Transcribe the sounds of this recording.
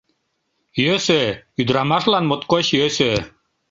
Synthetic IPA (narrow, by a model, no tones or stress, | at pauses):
jøsøyd̪ɾɑmɑʃlɑnmot̪koɕjøsø